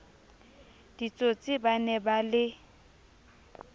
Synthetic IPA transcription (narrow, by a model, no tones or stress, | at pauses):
d̥it͡sʼot͡sʼɪbanɛbalɪ